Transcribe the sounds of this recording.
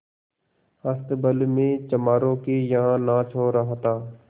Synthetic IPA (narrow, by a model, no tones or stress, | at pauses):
əst̪bəlmẽːt͡ʃəmaːɾõːkeːjəɦãːnãːt͡ʃʰoːɾəɦt̪aː